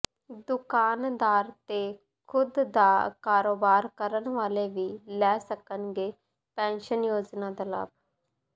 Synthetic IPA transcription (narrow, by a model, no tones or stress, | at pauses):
d̪ʊkaːnd̪aːɾt̪eː | kʰʊd̪d̪aːkaːɾoːbaːɾkəɾənʋaːleːʋiːlɛːsəkənɡeː | pɛ̃ːnʃənjoːd͡ʒnãːd̪ala̰ːb